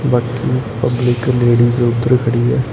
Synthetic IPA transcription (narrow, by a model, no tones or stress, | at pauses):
baːkipɐblɪkleːɽiseʊt̪ːəɾkʰɐɽiɦɛː